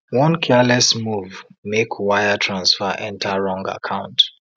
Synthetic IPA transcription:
wʌ̃nkʰɛlɛsmuvmekʰwaɪətʰɹãnsfəʔɛ̃ntʰəɹɔ̃ŋɡə̰kʰãʊ̃nt

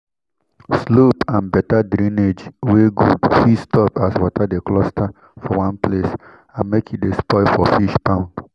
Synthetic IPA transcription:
slopãnbɛtadɾĩned͡ʒweɡudfistɔpaswɔtʰadeklɔstʰa | fɔwãnples | ãnmekidespɔɪfɔfiʃpãʊ̃nd

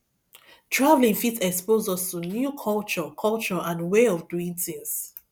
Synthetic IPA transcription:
tʰɹavlĩŋfitɛkspozɔstunjukʰɔlt͡ʃɔkʰɔlt͡ʃɔʔãnweɔvduĩŋθĩŋs

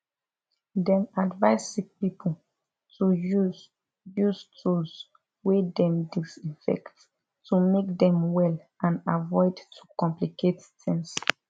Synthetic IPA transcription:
dɛ̃nadvaɪsik̚pipʰo | tuju | justʰus | wedɛ̃mdisifɛ̰kt | tumekdɛ̃mwɛl | ãnavɔɪdtʰu̥kɔ̃mplikettʰɛ̃ns

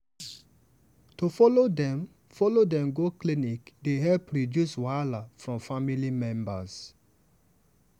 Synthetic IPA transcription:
tofɔlodɛ̃m | fɔlodɛ̃mɡoklinikdeɦɛlpɹidjuswalafɹɔ̃mfamilimɛ̃mba̰s

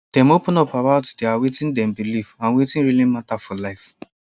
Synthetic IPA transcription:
d̥ɛ̃mopɔ̃nɔpabaʊtd̥eawetĩndɛ̃mbilifãnwetĩnɹilimatafɔlaɪf

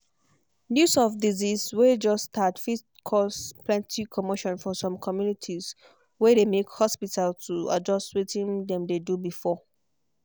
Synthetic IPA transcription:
njusɔfdiziswed͡ʒɔstʰatfit | kʰɔsplɛ̃ntʰikʰɔmoʃɔ̃nfɔsɔ̃mkʰɔmjunitʰis | wɛdemekhɔspitaltʰua̰d͡ʒɔstwetĩndɛ̃mdedubifɔ

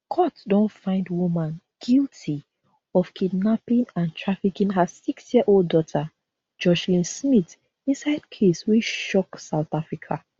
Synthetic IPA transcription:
kʰɔtdõntfãɪ̃ndwumãn | ɡ̥ilˠtʰi | ɔv̥kʰidnapĩnãntʰɹafikĩnɦazsiksjiəʔolddɔtʰa | d͡ʒɔʃlĩnsmit | ĩnsaɪd̚kʰeswiʃɔksaʊtafɹikʰa

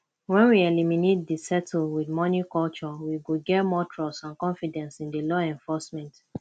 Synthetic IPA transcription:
wɛ̃nwiɛliminet̚disɛtʰlwidmɔnikɔlt͡ʃɔwiɡoɡɛtmɔtʰɹɔsãnkɔ̃nfidɛ̃nsĩndilɔɛ̃ɱfɔsmɛ̃nt

